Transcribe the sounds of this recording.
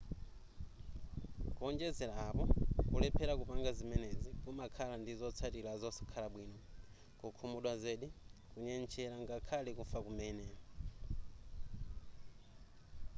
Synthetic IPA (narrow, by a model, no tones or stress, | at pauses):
kuɔnd͡ʒɛzɛlaːpɔkulɛpʰɛɾakupaŋɡazimɛnezikumakʰalandizɔt͡sʰatilazɔsi̥kʰalaɓwiːnɔ | kukʰumuɗwazeɗikuɲɛnt͡ʃʰɛɾaŋɡakʰalɛkufakumɛnɛ